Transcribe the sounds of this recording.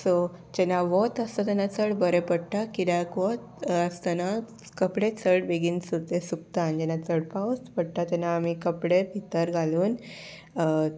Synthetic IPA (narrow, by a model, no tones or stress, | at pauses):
so | d͡ʑɛnaʋot̪əst̪at̪ɛnat͡səɽbəɾepəɽʈakid̪akʋɔt̪əst̪ana | kəpɽet͡səɽʋeɡinsuɾt̪esuk̚t̪aːnd͡ʑɛnat͡səɽpaʋst̪pəɽʈ̪at̪ɛnaːmikəpɽepit̪əɾɡʱaluːn